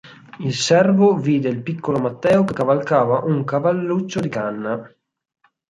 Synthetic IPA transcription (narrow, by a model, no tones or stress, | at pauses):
ilsɛrvoviːd̪eilpikːolomat̪ːɛːokekːavalkaːvaʔuŋkavalːut͡ʃːod̪ikanːa